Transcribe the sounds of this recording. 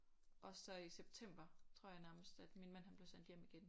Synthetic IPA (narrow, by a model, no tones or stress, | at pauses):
ʔɒ̽sɒ̽iseb̥̚t͡sʰem̰b̥ɐt͡sʰʁo̝ɐ̰jɑ̈ɪnæɐməsd̥æd̥minmæn̰hænb̥leʊsen̰d̥jem̰iɡ̥en